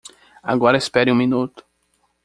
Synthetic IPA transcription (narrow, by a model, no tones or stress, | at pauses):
a̰ɡɔɾɐespɛɾɪ̃ũminut̪ʊ̥